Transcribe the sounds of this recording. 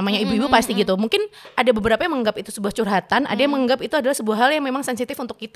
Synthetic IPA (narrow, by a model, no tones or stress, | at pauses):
maɲaibuibupast̪iɡit̪umuŋkɪnʔadabəbəɾapajaməŋɡapit̪usəbuaht͡ʃurɦat̪anʔa̰dajaŋməŋɡapit̪uadalahsəbuaɦːaljaŋmemaŋsɛnsit̪ɪfunt̪ʊkːit̪